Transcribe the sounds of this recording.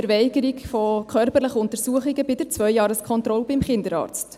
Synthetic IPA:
ɛɾʋɛɪɡəɾikfɔkʰœɾpəɾləχəʊnt̪əɾsuəχiɡəbɪd̥əɾt͡sʋœjjɑːɾəskʰχɔnt̪ɾɔlbɪmχɪndəɾɑ̰ːɾt͡st

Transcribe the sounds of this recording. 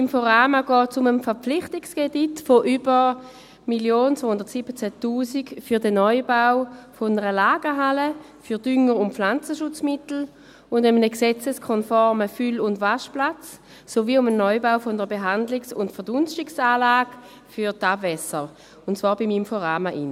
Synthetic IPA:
imfoʁaːmaɡɔːtsʊməmfɛɐpp͡flɪχtikskeditfoʔybəʁ | miljoːnt͡soːhʊnd̥ɐtsib̥ət͡sætuːsikfyɐdənɔʏbaʊfonəʁəlaːɡ̥əɦalə | fyɐd̥ʏŋəʁʊntflant͡səʃʊt͡smɪtl̩ | ʊndɛmənəksɛt͡səskʰɔnfɔʁməfylʊndvaʃplat͡s | soviːʊmənːɔʏbaʊfondəʁəbeɦandlɪksʊntfɐdʊnʃtɪksaːlaːɡ | fyʁtabvɛsə | ʊntsv̥aːɐbimimfɔʁaːmaʔḭn

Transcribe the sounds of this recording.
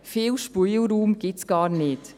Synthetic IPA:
fɪːlʃpujlɾuːmɡ̥ɪtsɡ̥ɑːɾnɪt

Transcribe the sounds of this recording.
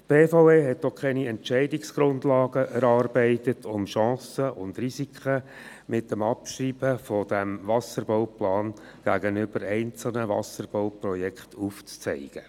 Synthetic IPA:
pb̥eːfoʊeːɦɛt̚d̥ɔχkʰɛniɛntt͡ʃɛɪdɪksɡ̥ɾʊndlɑːɡ̥əʔɛɾɑːrbɛɪtətʰʊmʃɑ̃ːsəʔʊndrisikχə | mɪtːəmɑpʃriːb̥əfɔd̥æmvɑsəɾboʊwplɑːn | ɡ̥æɡənʏb̥əɾɛɪnt͡sl̩ˠnəʋɑ̰səɾb̥oʊprɔjɛkχtʰuft͡st͡sɛ̰ɪɡ̥ə

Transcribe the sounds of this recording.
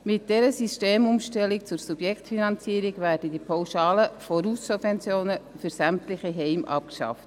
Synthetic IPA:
mɪt̚d̥ɛɾəsisteːmumʃtɛlikt͡sʊɾsub̥jɛkχtfinɑnt͡siəɾiɡʋæːɾdədipʰɑwʃɑːləfɔɾusːubvɛnt͡sjoːnə | fʏɾsæmtlɪxiɦɛɪmʔɑ̰p̚kʃɑ̰ft

